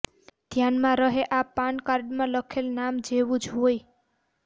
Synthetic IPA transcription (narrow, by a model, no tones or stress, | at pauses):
d̪̥ʱjanmãɾʌɦeʔapːankarɖmalʌkʰelnamd͡ʒʱewud͡ʒʱoj